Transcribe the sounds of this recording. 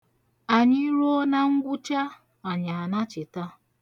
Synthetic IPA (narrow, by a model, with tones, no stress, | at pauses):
a˨ɲɪ˦ɾo˦na˦ŋ̩˦ɡʷʊ˦t͡ʃa˦ | a˨ɲa˨a˨na˦t͡ʃɪ˨ta˦